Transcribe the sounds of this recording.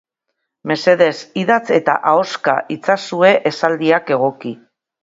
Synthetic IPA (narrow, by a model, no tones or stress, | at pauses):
me̞se̞ðe̞siðat͡se̞t̪a̰ʔao̞ska̰ʔit͡sasue̞ʔesald̪iake̞ɣ̞o̞ki